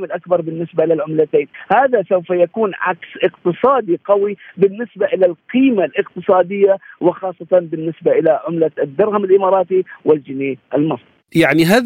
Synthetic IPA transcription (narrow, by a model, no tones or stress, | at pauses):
mɪlʔakbɑɾˤbɪnːɪsbaʔɪlalʕʊmlat̪eːnhaːðasawfajakuːnʕa̰ksʔɪqt̪ɨsˤɑːd̪iqawibɪnːɪsbaʔɪlalqiːmalʔɪqt̪ɨsˤɑːd̪ɪjːawɪxɑːsˤːɑt̪ɑnbɪnːɪsbaʔɪlaʕʊmlad̪ːɑɾˤhamɪlʔɪmɑːɾˤɑːt̪iwɪld͡ʒɪneːʔɪlmɑsˤ | jaʕniɦaː